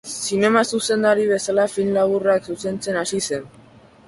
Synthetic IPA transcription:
sine̞masuse̞nd̪aɾiβ̞e̞salafinlaβuraksuse̞nt͡se̞nasise̞n

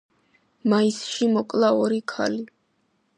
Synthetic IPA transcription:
maisʃimɔkʼlˠaɔɾikʰa̰li

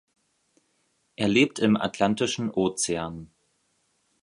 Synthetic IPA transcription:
ʔeːɐleːp̚tʰɪma̰tʰlantɪʃn̩ʔoːt͡seaːn

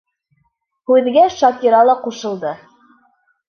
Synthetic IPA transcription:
hʉðɡæʃɑkʲiɾɑlˠɑquʃɤ̆lˠd̪ɤ

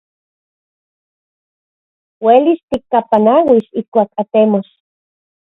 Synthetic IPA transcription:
welist̪ikːapanawiʃihkʷaːkat̪emos

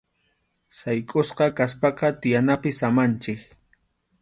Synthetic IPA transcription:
sajkʼʊsqɑkaspɑqɑt̪ɪjanapɪsamant͡ʃɪk

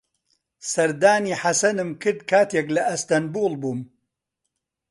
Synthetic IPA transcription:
sɐɾd̪aːniːħasɐnɨmkʰɨɾd̪̚kʰaːt̪eːklɐɐst̪ɐnbuːlˠbuːm

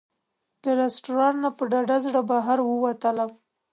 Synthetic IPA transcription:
laɾesʈuɾɑnnapəɖɑɖazɽabaɦaɾwəwat̪ələm

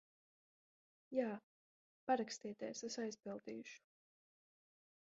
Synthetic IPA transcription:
jaː | paɾakst̪iːt̪eɛsesajzpilˠd̪ḭːuʃu̥

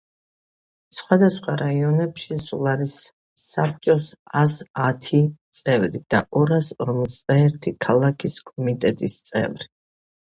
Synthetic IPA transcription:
sχwad̪asχwaɾaiɔnɛpʃisulˠaɾisː | ap̚ʰt͡ʃʼɔsasat̪ʰit̪sʼɛvɾid̪̥a̰ʔɔɾasɔɾmɔt̪sʰd̪aɛɾt̪ʰikʰalˠakʰiskʼɔmit̪ʼɛt̪ʼist̪sʼɛ̰vɾi

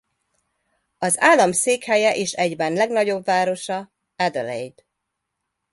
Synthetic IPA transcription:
ɒzaːlːɒmseːkhɛjɛʔeːʃɛɟbɛnlɛɡnɒɟo̞bvaːɾo̞ʃɒ | ɛd̪ølɛ̰jd̪

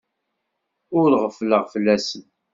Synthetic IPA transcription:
ʊɾɾʁəfləʁfəlːæsən

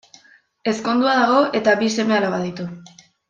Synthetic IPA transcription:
e̞sko̞nd̪uaðaɣo̞ʔe̞t̪aβise̞me̞alaβaðit̪u

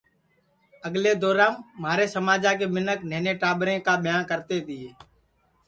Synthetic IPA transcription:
əɡleːd̪oːɾãːmːaːɾeːsəmaːd͡ʒaːkeːmɪnəkneːneːʈaːbɾẽːkaːbjaːnkəɾt̪eːt̪iːeː

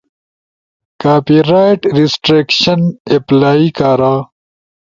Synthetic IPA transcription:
kaːpiɾaːjʈɾisʈɾeːkɕɐneplaːikaːɾaː

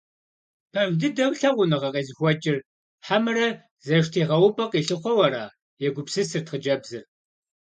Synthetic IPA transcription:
pʰɐwdɨdɐwɬɐʁʷʊnɨʁɐqeːzɨxʷɔt͡ʃʼɪr | ħamɨrɐ | zɐʃtʰiːʁɐwʊpʼɐqiːɬɨχʷɔwɐɾaː | jɛɡʷʊpsɨsɨrtχəd͡ʒɐbzɨr

